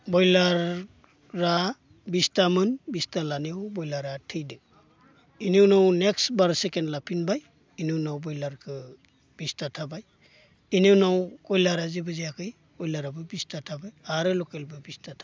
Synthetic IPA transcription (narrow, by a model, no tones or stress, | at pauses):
bɔjlaɾː | a | bistamɯnbistalanewbɔjlaɾatʰɯjdɯ | iniwnawneksbaɾsekenlapʰinbaj | inɯwnawbɔjlaɾkʰɯ | b̥istatʰabaj | iniwnawkɔjlaɾazibɯzijakʰɯj | ɔjlaɾabɯbistatʰabajaɾɯlɔkelbɯbistatʰa